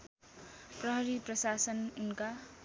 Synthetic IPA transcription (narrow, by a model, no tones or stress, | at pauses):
prʌɦʌɾiprʌsasʌnunka